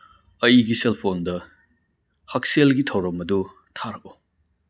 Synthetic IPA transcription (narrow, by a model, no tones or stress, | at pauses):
ɐiɡiselpʰondɐ | hɐk̚selɡitʰɐwɾɐmɐdu | tʰaɾɐk̚u